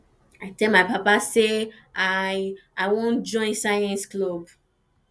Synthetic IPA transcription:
atɛlmaɪpapase | aaɪwõnd͡ʒɔ̃ɪ̃nsajɛ̃nsklob

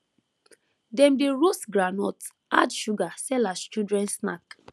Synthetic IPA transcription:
dɛ̃mdeɹosɡɹanɔt | a̰dʃuɡasɛlast͡ʃudɹɛ̃ntsna̰k

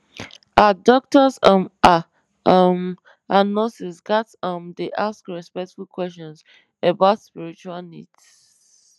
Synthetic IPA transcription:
adɔk̚tɔzʌma | ʌm | anɔ̃sisɡatʌ̃mdeʔaskɹɛspɛk̚tfulkwɛst͡ʃɔ̃ns | əbaʊtspiɹit͡ʃualnḭd

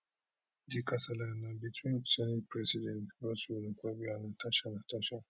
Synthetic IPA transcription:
dikasalanãbitʰĩnt͡ʃɛnipɾɛsidɛ̃ntbɔsunũkʷɛbianãtaʃanãtaʃa

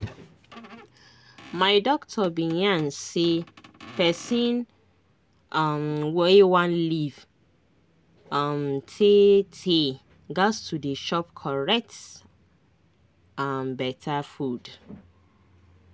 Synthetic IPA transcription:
maɪdɔktʰɔbĩjãnsepɛsĩn | amwɛwãnliv̥ | amtʰetʰe | ɡastʰudeʃɔp̚kʰɔɹɛk̚t | anbɛtʰafud

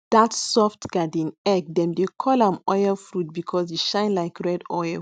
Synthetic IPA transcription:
d̥atsɔftɡ̥adĩnɛk̚dɛ̃mdekʰɔlãmɔjɛlfɹut̚bikʰɔsjeʃãɪ̃nlaɪkɹɛdɔjlˠ

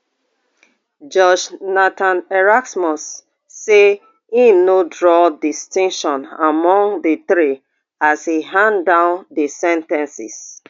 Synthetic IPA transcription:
d͡ʒɔd͡ʒnatãnɛɹaksmɔsː | e | inodɹɔdistĩŋʃɔ̃namɔ̃ŋdətɹi | ashiɦãndãʊndesɛ̃ntɛ̃nsḭs

